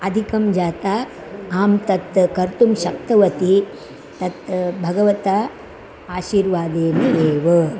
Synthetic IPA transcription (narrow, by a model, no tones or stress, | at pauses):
ɐd̪ʱikɐmd͡ʒaːt̪aː | aːmt̪ɐt̪kɐɾt̪umʃɐk̚t̪ɐʋɐt̪i | t̪ɐt̪bʱɐɡɐʋɐt̪a | aːʃiːɾʋaːd̪eːmd̪eːʋɐ